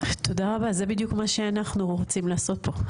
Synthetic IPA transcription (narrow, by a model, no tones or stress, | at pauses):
t̪o̞daʁabazebid̪jukmaʃe̞anaχnuʁot͡simlaːso̞t̚po̞